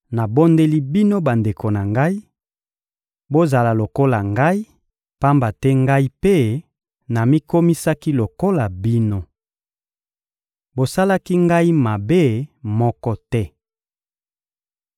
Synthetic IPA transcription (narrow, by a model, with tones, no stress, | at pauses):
na˨bo˦nde˦li˦bi˦no˦ba˨nde˨ko˨na˨ŋɡa˦i˦ | bo˦za˨la˨lo˨ko˦la˨ŋɡa˦i˦ | pa˦mba˨tɛ˦ŋɡa˦i˦pe˦ | na˨mi˦ko˦mi˦sa˦ki˦lo˨ko˦la˨bi˦no˦ | bo˨sa˦la˦ki˦ŋɡa˦i˦ma˨be˦mɔ˦kɔ˦tɛ˦